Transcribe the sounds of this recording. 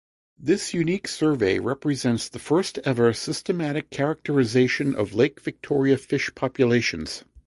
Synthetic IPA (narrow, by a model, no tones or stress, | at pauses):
ðɪsjʉniksɜ˞veɪɹɛpɹizɛ̃ntsðəfɜ˞stɛvə˞sɪstɨmæɾɨkʰːɛɹɨk̚tə˞ɨzeɪʃɨ̃nʔʌ̰vleɪkv̥ɨk̚tʰɔɹiɨfɪʃpʰɑpjɨleɪʃɨ̃nz̥